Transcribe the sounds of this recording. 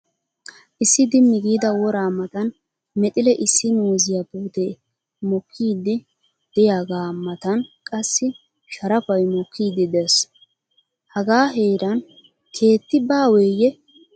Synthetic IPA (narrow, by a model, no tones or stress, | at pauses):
ʔɪsːɪd̪ɪmːɪɡiːd̪ɐwɔɾaːmɐt̪ɐn | mɛt̪ʼɪlɛʔɪsːɪnoːzɪjapuːt̪eː | mɔkʰːiːd̪ːɪ | d̪̥ɛjaːɡaːmːɐt̪ɐnkʼɐsːɪ | ʃɐɾɐpɐjmɔkʰːiːd̪ːɪd̪ɛs | hɐɡaːɦeːɾɐn | kʰe̞ːt̪ːɪbaːwɛjɛ